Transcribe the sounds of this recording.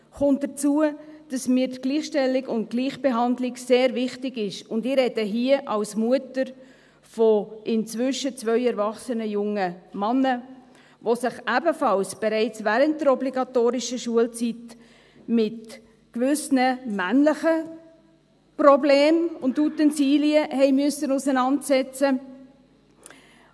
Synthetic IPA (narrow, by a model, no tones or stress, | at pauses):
χʊnt̚d̥ət͡suəd̥ɑsmiːɾtɡ̥liːχʃtɛlːɪɡʊnt̚ɡ̥liːχb̥eɦɑndlɪɡseːɾvɪχtɪɡɪʃʊndɪɾɛd̥əɦiəʔɑlsmuətəɾ | fɔʔɪnt͡svʏʃət͡svœʏɛɾvɑχsənəjʊŋəmɑnːə | ʋosɪχæbəfɑlsb̥ɛɾɛɪt͡svæɾəntdəɾɔbliɡɑtoːɾɪʃəʃuəlt͡sit | mɪt | kʋʏsnəmænləχə | prɔbleːmʊndutɛnsiːliəhɛɪmʏəsənusənɑntsɛt͡sə